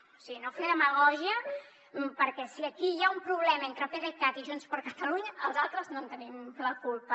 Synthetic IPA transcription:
sinofeəməɣɔʒiə | mpəɾkɛsiəkijaumpɾuβ̞lɛmɐent̪ɾəfeɾek̪at̪iʒunspəɾkət̪əluɲəʔəlˠzalˠt̪ɾəznont̪ənimləkulˠpə

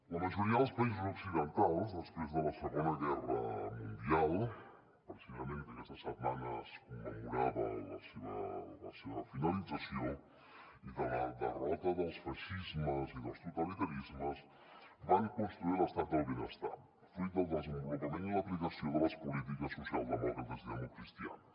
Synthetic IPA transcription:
ləməʒuɾiəðəlˠspəizuzuksiðənt̪alˠzðəspɾezðələsəɣonəɣɛrə̰mund̪ialˠ | pɾsiəment̪əkɛst̪əsət̪manəskumːəmuɾaβə̰lə̰seβə̰lə̰seβəfinəlidd͡zəsio | iðələd̪ə̰rɔt̪əðəlˠsfəʃizməziðəlˠst̪ut̪əlit̪əɾizməz | baŋkunst̪ɾuilˠəst̪at̪̚d̪əlˠβenəst̪a̰ | fɾud̪əlˠd̪əzəmbulukimend̪ləpɾiɣəsioðələspulit̪̬ikəsːusialˠzd̪əmɔkɾət̪əzðiəmukɾist̪ia̰

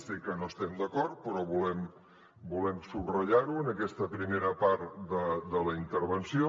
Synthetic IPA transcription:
sikənost̪ɛmd̪əkɔɾt̪̚pɾɔβulɛm | bulɛmsubrəʎaɾuənəkɛst̪əpɾimeɾəpaɾt̪d̪əd̪ələint̪əɾβənsijo

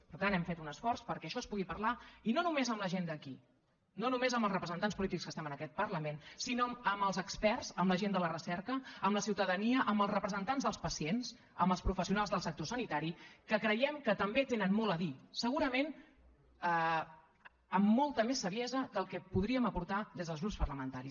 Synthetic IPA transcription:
pəɾt̪anɛmfet̪unəsfɔrspəɾkɛəʃɔəspuɣipərlainonumezəmləʒend̪əki | nonumezəmbəlˠzrəpɾəzənt̪anspulit̪ikskəst̪ɛmənəkɛt̪̚pərləmensinoəməlˠzəkspɛrzəmləʒend̪ələrəsɛɾkəːmləsiwt̪əðəniəʔəmbəlˠzrəpɾəzənt̪anzðəlˠspəsiens | əmbəlˠspɾufəsiunalˠzðəlˠsək̚t̪osənit̪aɾikəkɾəjɛmkət̪əmbet̪enənmɔlˠəðisəɣuɾəmen | ə | əmːɔlˠt̪əmesːəβjɛzəd̪əlˠkɛpuðɾiəməpuɾt̪aðezðəlˠzɣɾupspərləmənt̪aɾi

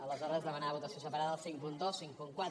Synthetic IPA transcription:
ələzɔɾəzzðəmənaβut̪əsiosəpəɾaðəsiŋkund̪osiŋkuŋkwa

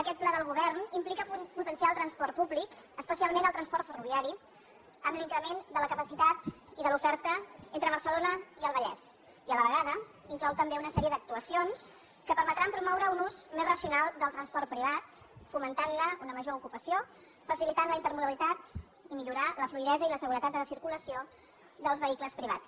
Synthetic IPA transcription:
əkɛt̪̚plaðəlˠɣ̞uβɛrnimplikəput̪ənsialˠt̪ɾənspɔrt̪puβlikəspəsialˠmenəlˠt̪ɾənspɔrt̪fəruβiaɾi | əmliŋkɾəmend̪ələkəpəsit̪at̪iðəlufɛɾt̪əent̪ɾəβ̞əɾsəlonəiəlˠβəʎɛs | iələβəɣ̞aðə | iŋklɔwt̪əmbeunəsɛɾiəd̪ək̚t̪uəsions | kəpəɾmət̪ɾampɾumɔwɾəunuzmezrəsiunalˠd̪əlˠt̪ɾənspɔrt̪̚pɾiβ̞at̪ | fumənt̪anləunəməʒoukupəsio | fəsilit̪anləint̪əɾmuðəlit̪at̪ | imiʎuɾaləfluiðɛzəiləsəɣuɾət̪at̪̚ələsiɾkuləsio | d̪əlˠzβəikləspɾiβa̰t͡s

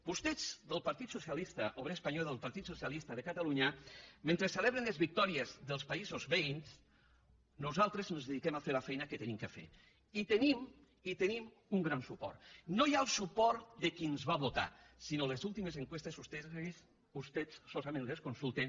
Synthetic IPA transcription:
b̥ust̪ed͡zðəlˠpaɾt̪it̪susialist̪aʔoβɾespaɲɔðelˠpaɾt̪it̪susialist̪ɐðekat̪aluɲɐment̪ɾeseleβɾenlezβik̚t̪ɔɾiezðəlˠspaizozβejns | nuzalˠt̪ɾeznozðeðikemafeɾlafɛjnakət̪enimkəfḛ | it̪enim | it̪enim | uŋɡɾansupɔ̰ɾt̪nojalˠsupɔɾt̪d̪ekinzβaβot̪a̰ | sinolezulˠt̪imezeŋkwest̪ezust̪es | ust̪et͡sːozamẽnleskonsulˠt̪en

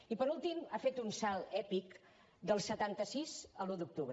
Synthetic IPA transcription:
ipəɾulˠt̪imafet̪unsalˠɛpik | d̪əlˠsət̪ant̪əsizəlud̪uk̚t̪uβɾ

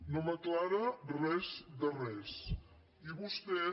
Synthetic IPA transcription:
noməklaɾərɛzd̪ərɛs | iβust̪ɛ

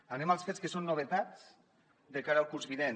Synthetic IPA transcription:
anemalˠsfeskəsonːoβet̪at͡s | d̪ekaɾəːlˠkuɾzβiðen

